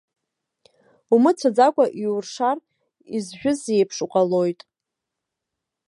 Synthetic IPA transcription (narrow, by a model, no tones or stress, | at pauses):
umɨt͡sʷʰad͡zakʷʼaʔiurʂar | izʒᶣʊzejpʰʂuqʼalo̞jtʼ